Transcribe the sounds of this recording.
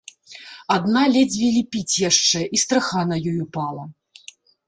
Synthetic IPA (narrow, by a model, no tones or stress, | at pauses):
ad̪nalʲɛd͡zʲvʲilʲipʲit͡sʲjaʂt͡ʂɛʔist̪ɾaxanɐjɔjupalˠɐ